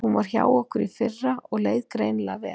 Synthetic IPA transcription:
hunvaɾ̥çja̰ːwɔhkʏɾifɪrːaɔɣleːjðkɾeːjnlavɛː

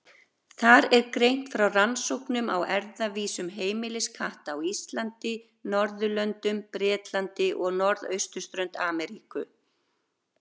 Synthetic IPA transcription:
θaɾɛɾkɾejn̥t̪fɾawransowhknʏmawɛɾðaviːsʏmɦeːjmɪlɪskʰaht̪awist̪lant̪ɪ | nɔɾðʏlœnt̪ʏmpɾɛːt̪lant̪ɪʔɔɣnɔɾðœ̰ɥst̪ʏ̥st̪ɾœɥnt̪aːmɛɾiːkʏ

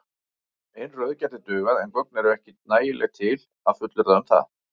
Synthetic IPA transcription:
ejnrœɥðcat̪ɪt̪ʏːɣaðɛnkɔknɛɾʏɛhcɪnaːjɪlʔɛ̰ɣt̪ʰɪl | aðfʏt̪lʏɾaʏmθa̰ð

